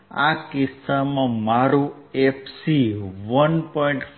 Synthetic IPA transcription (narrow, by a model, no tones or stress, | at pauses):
a̰kɪsːamãmaɾũ | efʰsiʋənpɔiɳʈ